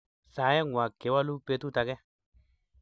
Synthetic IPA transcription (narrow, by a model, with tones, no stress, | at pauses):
sa˨˦jɛ˦ŋwa˨ke˨˦wa˦lu˦pe˧tu˦ta˧kɛ˦